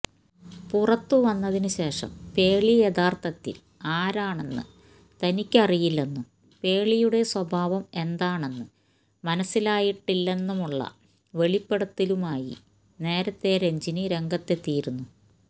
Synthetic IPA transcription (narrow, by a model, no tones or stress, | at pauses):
purɐt̪ːɨʋɐnːɐðinɨɕe̞ːʂɐ̰mpe̞ːɭijed̪aːrt̪ʰɐt̪ːḭl | aːɾaːɳe̞nːɨ̰ | t̪ɐnikʲːɨɐrijilːenːum | pe̞ːɭijuɽe̞swɐbʱaːʋɐme̞nd̪aːɳe̞nːɨ | mɐnɐsːilaːjiʈːilːe̞nːumuɭːɐ̰ | ʋe̞ɭipːeɽɐt̪ːilumaːjḭ | ne̞ːɾɐt̪ːe̞ɾe̞ɲd͡ʑinɨɾe̞ŋɡɐt̪ːe̞t̪ːijːiɾunːu